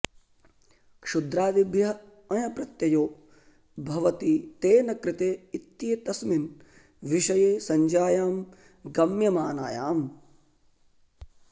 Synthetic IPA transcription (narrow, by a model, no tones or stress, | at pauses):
kʂud̪ɾaːʋibʱjɐ | ɐjɐpɾɐt̪jɐjoː | bʱɐʋɐt̪it̪eːnɐkɾɪt̪eːit̪jeːt̪ɐsmin | ʋiʃɐjeːsɐɲd͡ʒaːjaːm | ɡɐmjɐmaːna̰ːja̰ːm